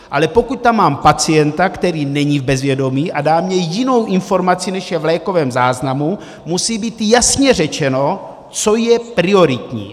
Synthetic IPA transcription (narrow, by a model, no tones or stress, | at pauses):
ʔalɛpo̞kuc̚t̪amːaːmpat͡sijɛnt̪akt̪ɛɾiːnɛɲivbɛzvjɛdo̞miːʔadaːmɲɛjɪno̞wʔɪnfo̞ɾmat͡sinɛʃjɛvlɛːko̞vɛːmzaːznamu | musiːbiːt̪jasɲɛrɛt͡ʃɛno | t͡so̞jɛpɾɪo̞ɾɪt̪ɲḭː